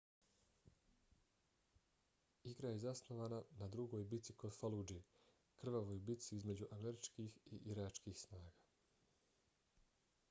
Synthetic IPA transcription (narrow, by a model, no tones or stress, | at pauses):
iɡɾajezasno̞ʋaːnanad̪ɾuɡo̞jbit̪sikod̪falud͡ʒi | kr̩ʋaʋo̞jbit̪siizme̞d͡ʑuʔameɾit͡ʃkiːxiʔiɾat͡ʃkiːxsnaːɡaː